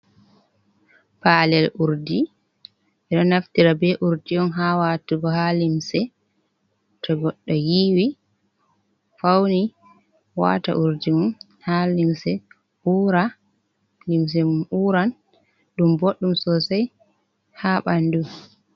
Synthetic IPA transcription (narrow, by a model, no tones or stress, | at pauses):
palɛluɾdi | ɛɗɔnaftiɾabɛʔuɾdiɔnɦawatuɡɔhalimsɛ | tɔɡɔɗːɔjiːwi | fawni | wa̰ta̰ʔuɾdimun | halimsɛ | ʔuːɾa | lims̬ɛmumuːɾan | ɗumboɗːumsɔsaj | haɓandu